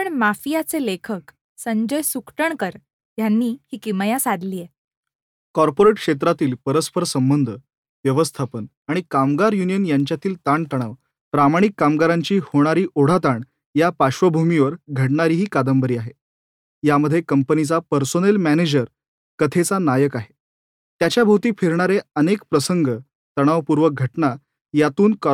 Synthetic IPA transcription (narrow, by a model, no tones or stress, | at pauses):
pəɳmafijat͡selekʰək | səɲd͡ʑəjsukʈəɳkəɾ | janːiːhiːkiməjasad̪liːje | kɔɾpoɾeʈkʂet̪̬ɾat̪iːlpəɾəspʰəɾsəmbənd̪ʱə | ʋjəʋəst̪ʰapən | aɽ̃ikamɡaɾjunijənjaɲt͡ɕjat̪ʰiːlt̪aɳʈ̪əɽ̃aʋ | pɾamaɽ̃ikːamɡaɾaɲt͡ɕiːhoɽ̃aɾiːʔoɽ̤at̪aɳ | japaɕʋəbʱumiʋəɾɡʱəʈɳaɾiːɦiːkad̪əmbəɾiːaɦe | jaməd̪ʱːjekəmpənit͡sapəɾsonelmæned͡ʑəɾ | kət̪ʰet͡sanajəkaɦe | t̪jat͡ɕjabʱowt̪iːfiɾɳ̃aɾeənekpɾəsəŋɡə | t̪əɽ̃aʋpuɾʋəɡʱəʈna | jat̪uːnk